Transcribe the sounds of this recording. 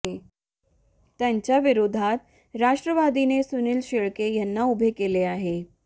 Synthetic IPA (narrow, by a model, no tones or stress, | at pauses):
e | t̪jaɲt͡ɕjaʋiɾod̪ʱat̪̚ | ɾaʂʈɾəʋad̪inesunilɕeɭkejɛnːaubʱekeleaɦe